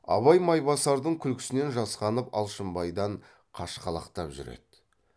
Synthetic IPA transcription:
ɑ̰βɑjmɑjbɑsɑɾd̪əɴkʲʰʏlkʲʰɪ̥sɪne̞nʒɑsqɑnəpɑ̰lˠʃəmbɑjd̪ɑɴ | qʰɑʃqɑlˠɑ̰qt̪ɑpʒʏ̰ɾḛd̪̥

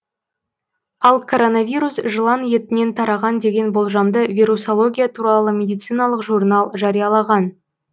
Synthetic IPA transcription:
ɑlˠkʰoɾo̞navʲiɾusʒəlˠɑnje̞t̪ɪne̞nt̪ʰɑɾɑʁɑnd̪e̞ɡʲe̞nbo̞lˠʒɑmd̪əvʲijɾuso̞lˠo̞ɡʲijat̪ʰuɾɑlˠəmʲe̞d̪ijt̪sɨjnɑlˠəqʒurnɑlˠʒɑɾijɑlˠɑʁɑn

